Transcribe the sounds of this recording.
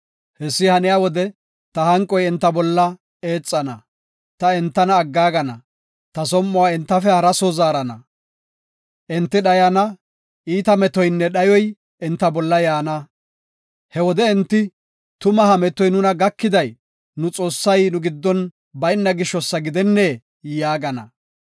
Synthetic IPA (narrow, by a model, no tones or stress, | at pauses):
hɛsːɪhɐnɪjaːwɔd̪ɛ | t̪ɐhɐŋkʼɔjɛnt̪ːɐbɔlːɐ | e̞ːt͡sʼːɐnɐ | t̪ɐɛnt̪ːɐnɐːɡːaːɡɐnɐ | t̪ɐsɔmːɔwaːɛnt̪ːɐfɛhɐɾɐsɔzaːɾɐnɐ | ʔɪnt̪ːɪɗɐjɐnɐ | ʔiːt̪ɐmɛt̪ɔjnːɛɗɐjɔj | ɛnt̪ːɐbɔlːɐjaːnɐ | hɛwɔd̪ɛɛnt̪ːɪ | t̪ʊmɐhɐmɛt̪ːɔjnʊnɐɡɐkːɪd̪ɐj | nʊt͡sʼo̞ːsːɐjnʊɡɪd̪ːɔn | bɐjɪnːɐɡɪʃːɔsːɐɡɪd̪ɛnːeː | jaːɡɐnɐ̰